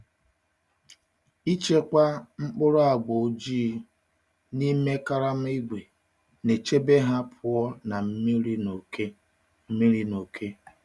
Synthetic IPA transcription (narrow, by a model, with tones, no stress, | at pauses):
i˦t͡ʃe˦kʷa˦ŋ͡m̩˦k͡pʊ˦ɾʊ˦a˨ɡ͡bo˨o˦d͡ʒi˦ | ni˦me˦ka˦ɾa˦m̩˦i˦ɡʷe˨ | ne˨t͡ʃe˦be˦ɦa˦pʰʊ˨ɔ˦na˨m̩˦mi˦ɾi˦no˨ke˦ | m̩˦mi˦ɾi˦no˨kʰe˦